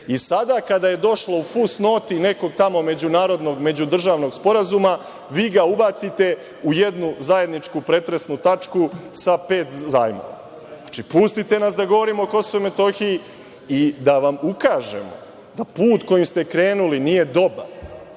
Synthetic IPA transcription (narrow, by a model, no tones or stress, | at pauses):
isad̪akad̪aje̞d̪o̞ʃlo̞ufusno̞ːt̪ine̞ko̞ɡ̚t̪amo̞me̞d͡ʑunaːɾo̞d̪no̞ɡme̞d͡ʑud̪r̩ʒaːʋno̞ɡspo̞ɾazuma | ʋiːɡaubat̪sit̪e̞ | uje̞d̪nuzaje̞d̪nit͡ʃkupɾe̞t̪ɾe̞snut̪at͡ʃkusape̞ːt̪zaːjmo̰ʋa̰ | at͡ʃipust̪it̪e̞nasd̪aɡo̞ʋo̞ɾimo̞ko̞soʋojme̞t̪o̞xiji | id̪aʋamukaːʒe̞̰mo̞̰ | d̪apuːt̪ko̞jimst̪e̞kɾe̞ːnulinije̞d̪o̞baɾ